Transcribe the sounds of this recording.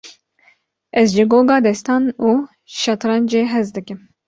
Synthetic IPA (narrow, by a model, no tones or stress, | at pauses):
ʔɛzʒɪɡoːɡɑːd̪ɛst̪ɑːnuː | ʃɑt̪ɾɑnd͡ʒeːɦɛzd̪ɨkɨm